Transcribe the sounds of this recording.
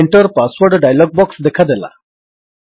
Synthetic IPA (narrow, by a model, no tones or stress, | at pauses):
ɳʈəɾpasʋəɾɖɖajalɔɡ̚bɔksd̪ekʰad̪ela̰